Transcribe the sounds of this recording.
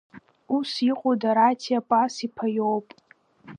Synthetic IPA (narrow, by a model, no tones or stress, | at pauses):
usiqʷʼodaɾatʰiapʼasipʰajowpʼ